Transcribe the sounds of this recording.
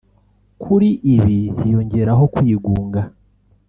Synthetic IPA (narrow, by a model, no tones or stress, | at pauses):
kʰuɾiʔiβihijo̞ɲɟe̞ɾaɦo̞kwiːɡuːŋɡa